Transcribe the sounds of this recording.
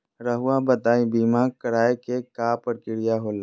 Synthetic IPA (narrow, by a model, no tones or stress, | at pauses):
ɾəɦʊwabət̪aːibiːmaːɾ̚kəɾaːekekaːpəɾkɪɽijaɦoːl